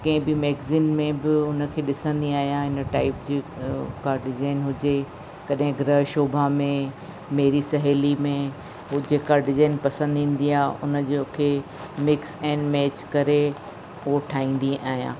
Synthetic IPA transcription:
kɐ̃ɦɪ̃bɪmeːɡziːnmẽbɪʊnə̆kʰeːɗɪsə̃nd̪iaːɦijãɦɪnəʈaːɪpd͡ʑiːkaɖɪzaːɪnɦʊd͡ʑe | kɐɗɦɪ̃ɡɾəʃoːbʱamẽ | meɦɾisɐɦeːlimẽ | d͡ʑeːkaɖɪzaːnpɐsə̃nd̪ʱĩːn̆d̪iaːɦʔʊnəd͡ʑokʰeː | mɪksɛ̃ːnɖmɛːt͡ɕkɐɾe | ʊɦoʈʰaːĩːn̆d̪iaːɦijã̰ː

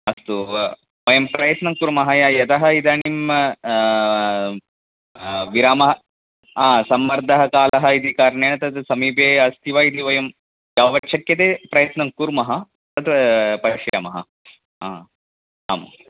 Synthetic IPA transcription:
ɐst̪u | ʋɐjɐmpɾɐjɐt̪nɐŋkuɾmɐɦɐjaːjɐt̪ɐɦɐid̪aːɳim | ʋiɾaːmɐɦɐ | aːsɐmːɐɾd̪ʱɐɦɐkaːlɐɦɐit̪ikaːɾɳeːɳɐt̪ɐt̪sɐmiːpeːɐst̪ʰiʋaːid̪iʋɐjɐm | ɡaːʋɐʈːt͡ʃʰɐkjɐt̪eːpɾɐjɐt̪nɐŋkuɾmɐɦɐ | t̪ɐt̪pɐɾiʃja̰ːmɐɦɐ | aː | a̰ːm

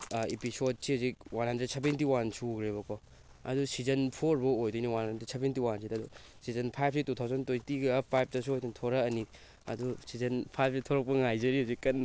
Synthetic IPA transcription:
episod̚sihazik̚wanɦɐndɾɐsebentiwansuːɡɾeβɐkʰɔ | ɐ̰dusizɐnpʰoɾbɐojduniwanɦɐndɾɐsebentiwansidɐdu | sizɐnpʰajp̚ʰsitutʰawzɐntojtiɡɐpʰajp̚ʰtɐsuojtʰɐntʰoɾɐɐni | ɐ̰dusizɐnpʰajp̚ʰsitʰoɾɐk̚pɐŋajzɐɾihazikːɐn

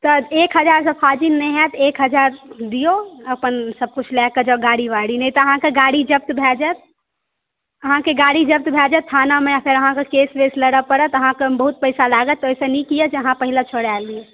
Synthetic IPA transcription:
t̪ɔekɦəd͡ʒaɾsəpʰad͡ʒinːɛɦɛt̪ekɦəd͡ʒaɾd̪ijoəpənsəb̚kut͡ʃʰlɛkəd͡ʒəɡaɽibaɽinɛjt̪ɔəɦãkeɡaɽid͡ʒəp̚t̪bʱɛd͡ʒɛt̪̚ | əɦãkeɡaɽid͡ʒəp̚t̪bʱɛd͡ʒɛt̪ʰːanameapʰeɾəɦãkekesbesləɽəpəɽət̪əɦãkebəɦut̪̚pəjsalaɡət̪ːojsənikijəd͡ʒeəɦãpəɦilet͡ʃʰoɽalie

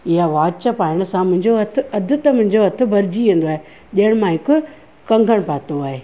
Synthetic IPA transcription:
ɪɦaʋaːt͡ɕəpaːɪɽ̃əsãmʊ̃ɦɪ̃ɲd͡ʑoɐt̪ʰʊɐd̪ʱʊt̪ɐmʊ̃ɪ̃ɲ̆d͡ʑoɐt̪ʰʊ̆bɐɾɪd͡ʑiʋẽːnd̪oaːɦe | ɗiɦəɽ̃mãɦɪkʊ | kɐ̃ŋɡʱəɽ̃paːt̪oaːɦeː

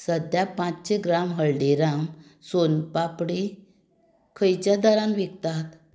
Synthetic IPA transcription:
səd̪japãt͡sɕeɡɾamɦəɭɖeɾam | sonpapɽe | kʰəjt͡ɕjad̪əɾãnʋekt̪at̪

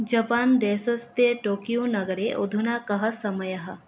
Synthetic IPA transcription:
d͡ʒɐpaːnd̪eːsɐst̪eʈoːkijunɐɡəɾeʔod̪ʱunaːkɐɦɐsɐməjəɦɐ

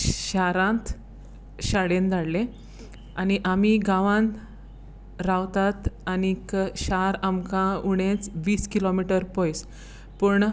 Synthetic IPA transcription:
ɕaɾãnt̪ | ɕaɽend̪aɽle | aniʔamiɡaʋãn | ɾaʋt̪at̪anikɕaɾamkãuɽ̃et͡sʋiːskilɔmiʈəɾpɔjs | pəɳ

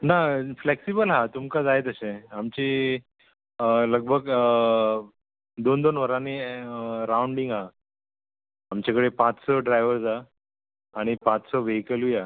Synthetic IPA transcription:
nafleksibəlɦat̪umkad͡zaet̪əsẽamt͡ɕi | ləɡ̚bʱəɡ | d̪ond̪onʋəɾani | ɾauɳɖiŋɡa | mt͡ɕakəɽepãt͡ssɔɖɾajʋəɾsaː | ɽ̃ipãt͡ssɔʋeɦikəlia

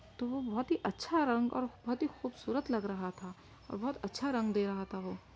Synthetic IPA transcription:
t̪oʋobɔɦʊt̪ɦiʔɐtːʃʰaɾɐ̃ŋɡɔ̰ːɾbɔɦʊt̪ɦixuːbsuːɾət̪lɐɡɾɐɦat̪ʰa | ɔ̰ːɾbɔɦʊt̪ɐtːʃʰaɾɐ̃ŋɡd̪eːɾɐɦat̪aɦoː

